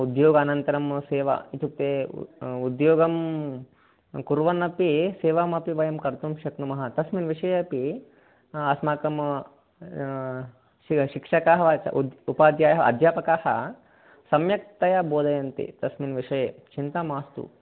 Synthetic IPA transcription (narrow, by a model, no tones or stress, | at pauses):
ud̪joːɡɐːnɐnt̪ɐɾɐmseːʋɐ̰it̪uk̚t̪eːud̪joːɡɐm | kuɾʋɐnːɐpiseːʋaːmɐpiʋɐjɐmkɐɾt̪umʃɐknumɐɦɐt̪ɐsminʋiʂɐjeɐpi | ɐsmaːkɐm | ʃikʂɐkaːɦɐ̰upaːd̪jaːjɐɦɐʔɐ̰d̪ʱjaːpɐkaːhɐ | sɐmjɐk̚t̪ɐjɐboːd̪ɐjɐnt̪ḭt̪ɐsminʋiʂɐjet͡ʃint̪aːmaːst̪ṵ